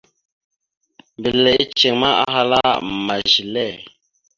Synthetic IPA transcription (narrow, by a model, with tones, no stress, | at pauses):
mbi˨lɛ˨i˦t͡ʃe˨ŋma˦a̰˦ɦa˦la˦ma˨ʒi˨lɛ˦˨